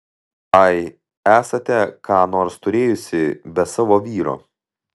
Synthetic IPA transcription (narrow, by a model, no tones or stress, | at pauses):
ɐɪ | æːsɐt̪ʲɛkʰɑːnoːɾst̪ʊɾʲeːjʊsʲɪbʲɛsɑːʋoːʋʲiːɾo̰ː